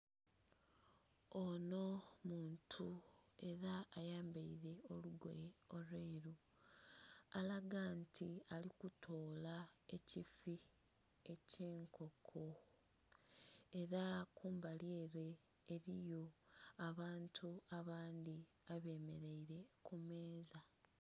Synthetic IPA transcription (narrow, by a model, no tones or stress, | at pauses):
ono̞muːntʰue̞ɾaːjaːmbeiɾe̞o̞luɡwḛolweːɾu | alaɡantʰialikutʰo̞ːlae̞cifi | e̞ce̞ːŋkʰo̞kʰo | e̞ɾakʰuːmbaljeːɾe̞ː | ɾijo̞aβaːntʰuaβaːndi | aβe̞ːme̞ɾe̞iɾe̞kume̞ːza